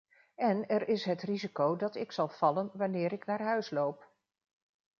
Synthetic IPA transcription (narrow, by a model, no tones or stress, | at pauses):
ɛnɛɾɪsɦətrizikowdɑtɪksɑlˠv̥ɑlənʋanɪːɾɪknaːɹɦœɥslowp